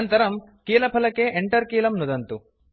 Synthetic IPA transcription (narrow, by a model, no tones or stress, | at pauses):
nt̪ɐɾɐm | kiːlɐpʰɐlɐkeːʔeɳʈɐɾkiːlɐmnud̪ɐnt̪u